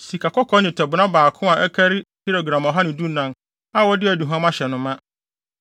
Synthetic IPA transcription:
si˨kʰa˨kʰɔ˦kʰɔ˦ɲɪ̃˨tʰɛ˨bʊ˨nã˦baː˨kʰʊ̃˦a˨ʔɛ˦kʰæ˦ɾɪ˦ti˦ɾo˨ɡɾã˨mɔ˨ɦa˦nɪ̃˨du˦nã˨n | a˦wɔ˦dɪ˦æ˨du˨ɦã˦mã˦ɕɛ˨nʊ̃˦mã˦

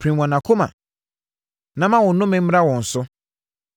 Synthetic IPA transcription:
pʰɾĩ˨wã˨nã˨kʰo˦mã̰˨ | nã˦mã˦wʊ̃˨nːʊ̃˦mɛ̃˦m̩˦m˦ɾa˦wɔ̃˨n̩˨sʊ˦

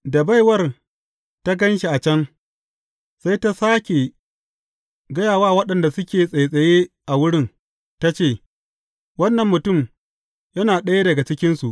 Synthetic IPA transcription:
da˨ba˦jwɐ˦˨r | ta˦ɡɐ˦nʃi˨ʔa˨t͡ʃɐ˦ŋ | sa˦jta˦saː˦kʲe˨ | ɡɐ˦jaː˨waː˦wɐ˦ɗɐ˨nda˨sʊ˦kʲeː˨sʼa˨jsʼɐ˨jeː˦ʔa˨wʊ˦ɽɪ˦n | ta˦t͡ʃeː˦˨ | wɐ˦nːɐ˨mːʊ˨tʊ˦˨m | jɐ˦naː˨ɗɐ˦ja˦dɐ˨ɡa˨t͡ʃɪ˦kʲɪ˦nsu˨ʔ

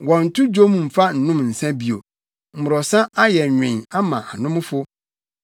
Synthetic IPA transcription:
wɔ̃˨n̩˨tʰʊ˦d͡ʑo˦mũ˨m̩˨fa˦n̩˨nʊ̃˦mn̩˨sã˦bi˨o̰˨ | m̩˨mʊ˨ɾɔ˨sã˦a˦jɛ˨ɲᶣɪ̃˨ɲa˦mã̰˨ʔa˨nʊ̃˦m˦fʊ˦

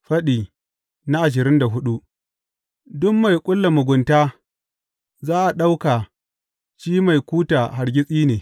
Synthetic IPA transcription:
ɸɐ˦ɗiː˨ | na˦ʔa˨ʃ̬ɪ˨ɾɪ˦nda˨ɦʊ˦ɗu˦ | dʊ˦mːa˨jkʷʼʊ˦lːa˨mʊ˨ɡʷʊ˨ntaː˦ | zaː˦ʔa˨ɗa˦wkaː˨ | t͡ʃiː˦ma˨jkʷuː˦taː˨ɦa˨ɽɡʲɪ˦sʼiː˦neː˨

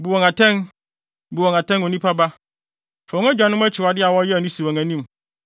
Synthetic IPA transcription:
bu˨wɔ̃˨ŋa˨tʰɛ̃˦n | bu˨wɔ̃˨ŋa˨tʰɛ̃˦no˨nĩ˦pʰa˦ba˦ | fɛ˨ʊ̃˦æ˦d͡ʑᶣa˨nʊ̃˦m˦æ˦t͡ɕʰɪ˨wa˨dɪ˦a˨wɔ˦jɛ˦˨nĩ˦su˨a˨ŋæ̃˨nĩ˦m

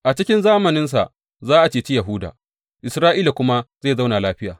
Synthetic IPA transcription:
ʔa˨t͡ʃɪ˦kʲɪ˦nzaː˦mɐ˨nɪ˦ns̬a̰˨ | zaː˦ʔa˨t͡ʃeː˨t͡ʃi˦jɐ˨ɦuː˦da̰ː˨ | ʔɪ˨sɾaː˦ʔiː˦la˨kʷʊ˦ma˦zeː˦˨za˦wna˨laː˦ɸɪ˦jaː˨

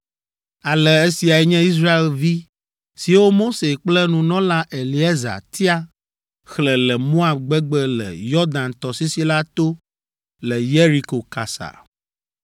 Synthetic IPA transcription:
a˨lɛ˨e˦si˨a˨ɛ˦ɲɛ̃˦i˦s̬ɾa˦e˨lvi˦ | si˨wo˦mo˦se˨k͡plɛ˦nũ˨nɔ̃˦la˦ʔe˨li˨˦ɛ˦za̰˨t̪ʰi˦a˦ | xlɛ˨lɛ˨mõ˦a˨b̚ɡ͡bɛ˦ɡ͡bɛ˦lɛ̰˨jɔ˦d̪ã˨nt̪ɔ˨si˦si˦la˦t̪o˦ | lɛ˨je˦ɾi˦ko˨ka˨sa̰˨

